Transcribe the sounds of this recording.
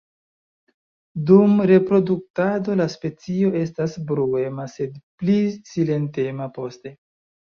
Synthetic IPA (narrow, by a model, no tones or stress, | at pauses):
dumɾe̞pɾo̞duk̚tado̞laspe̞t͡sio̞e̞stasbɾue̞mase̞dplisile̞nte̞mapo̞ste̞